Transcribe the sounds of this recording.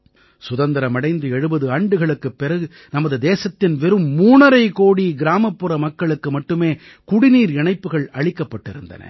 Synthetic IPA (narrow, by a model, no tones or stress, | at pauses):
sʊðɐnd̪ɪɾɐmɐɽɐɪnd̪ɯɛɻɯbɐðɯaːɳɖɯɣɐɭɯkːɯpːɛɾɐɣɯ | nɐmɐðɯd̪eːsɐt̪ːɪnʋɛɾɯmːuːnɐɾɐɪkoːɽiɡɪɾaːmɐpːɯɾɐmɐkːɐɭɯkːɯmɐʈːɯmeː | kʊɽɪniːɾɪɳɐɪpːɯɣɐɭɐɻɪkːɐpːɐʈːɪɾɯnd̪ɐ̰nɐ̰